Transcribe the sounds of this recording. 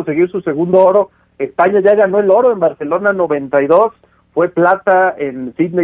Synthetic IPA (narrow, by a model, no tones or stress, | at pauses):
onse̞ɣiɾsuse̞ɣund̪ooɾo̞ | e̞spaɲaʝaɣano̞elo̞ɾo̞e̞mbaɾse̞lo̞nano̞βe̞nt̪ajðo̞s | fwe̞plat̪ae̞nsit̪ne